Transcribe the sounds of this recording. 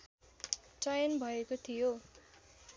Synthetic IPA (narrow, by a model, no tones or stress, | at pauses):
t͡sajʌnbʱʌekot̪ʰijo